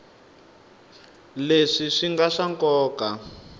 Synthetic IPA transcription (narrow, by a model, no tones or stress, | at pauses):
leʂiʂiŋɡaʂaŋkɔːka